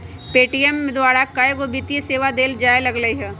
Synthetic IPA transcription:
peːʈijɛmːẽd̪waːɾakajɡobit̪ieseːʋad̪eːld͡ʒaːelɐɡləiɦɛː

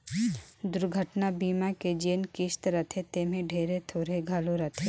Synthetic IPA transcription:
d̪ʊɾɡʱəʈnabiːmaked͡ʒeːnkɪʃt̪ɾɐt̪ʰet̪eːmẽɖʱeːɾet̪ʰoːɾeɡʱaloɾɐt̪ʰe

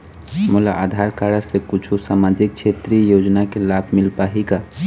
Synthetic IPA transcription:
mulaʔad̪ʱaɾkaɾəsekut͡ʃʰusamad͡ʒik̚t͡ʃʰet̪ɾijod͡ʒnakelabʱmilpaɦika

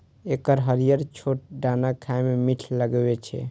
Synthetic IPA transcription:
ekəɾɦəɾijəɾt͡ʃʰoʈ̚ɖanakʰaememiʈʰləɡbɛt͡ʃʰɛ̰

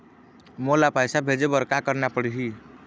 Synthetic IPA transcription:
molapajsabʱed͡ʒebəɾkakəɾnapəɽɦi

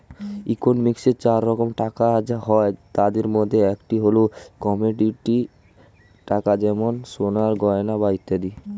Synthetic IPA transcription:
ikonmikseɾt͡ɕaɾːɔkomʈakaɦɔet̪ad̪eɾmod̪ʱːeɛkʈiɦolokɔmeɖiʈi | ʈakad͡ʑɛmonsonaɾɡɔenabait̪ːad̪i

